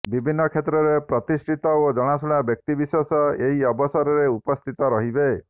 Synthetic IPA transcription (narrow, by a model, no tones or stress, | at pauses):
bibʱinːɔkʰet̪ɾɔɾepɾɔt̪isʈʰit̪ɔod͡ʒɔɽ̃asuɽ̃abjɔk̚t̪ibisɔsɔeɦiɔbɔsɔɾɔɾeupɔst̪ʰit̪ɔɾɔɦibe